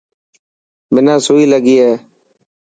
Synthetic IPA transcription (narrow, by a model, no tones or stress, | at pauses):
mɪnãːsʊːiːləɡiːɦɛː